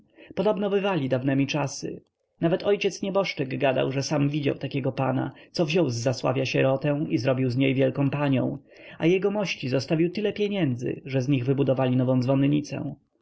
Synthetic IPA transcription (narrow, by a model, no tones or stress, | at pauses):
pɔd̪ɔbnɔbɘvalʲid̪avnɛmʲit͡ʂasɨ̰ | navɛt̪ʰɔjt͡ɕɛt̪sɲɛbɔʂt͡ʂɘɡɡad̪a̰wʐɛsamvʲid͡ʑa̰wt̪akʲɛɡɔpana̰t̪sɔvʑɔwzːaswa̰vʲjaɕɛɾɔt̪ɛ̃w̃izɾɔbʲiwzɲejvʲjɛlkɔ̃w̃paɲɔ̰̃w̃ | a̰jɛɡɔmɔɕt͡ɕizɔst̪avʲiwt̪ɘlɛpʲjeɲɛnd̪zɘ̰ʐɛzɲiɣvɘbud̪ɔvalʲinɔvɔ̃w̪̃vɔnɲit̪sɛ̰̃